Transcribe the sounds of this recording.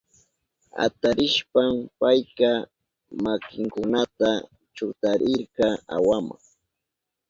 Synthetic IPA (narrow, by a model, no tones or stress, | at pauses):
a̰t̪aɾɪʃpampajka | makɪŋkʊnat̪a | t͡ʃʊt̪aɾʔɪɾkɑa̰wama̰ŋ